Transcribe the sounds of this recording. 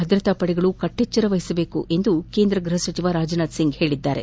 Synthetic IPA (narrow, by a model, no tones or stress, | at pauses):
ɦɐd̪ɾɐt̪aːpɐɽɛɡɐɭukɐʈːet͡ʃːɐɾɐʋɐɦisɐbe̞ːkuʔe̞nd̪uke̞ːnd̪ɾɐɡɾuɦɐsʋɐt͡ʃiʋaɾaːd͡ʒɐnaːd̪siŋɡhe̞ːɭid̪ːaːɾḛ